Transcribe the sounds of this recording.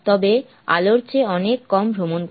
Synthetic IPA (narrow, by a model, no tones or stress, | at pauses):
t̪ɔbe | a̰loɾt͡ɕeɔnekːɔmbʱɾomon